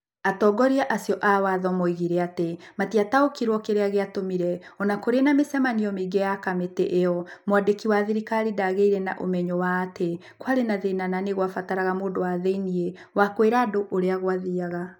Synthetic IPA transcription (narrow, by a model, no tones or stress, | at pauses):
atɔɡɔɾiaʔasiɔʔawaðɔmoiɣiɾɛatematiataokiɾwɔkeɾeaɣeatomiɾɛɔnakoɾenamesɛmaniɔmeɡejakameteʔeɔmwadekiwaðiɾikaɾidaɣeiɾɛna̰ʔo̰mɛɲɔwaːtʰe | kwaɾenaðenananeɣwafataɾaɣamoːdowaðeinie | wakweɾadoʔoɾeaɣwaðiaɣa